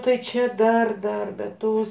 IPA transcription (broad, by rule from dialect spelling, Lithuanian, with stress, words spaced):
ˈtɐɪ ˈt͡ʃʲɛ ˈdɐr ˈdɐr bʲɛt ˈtoːs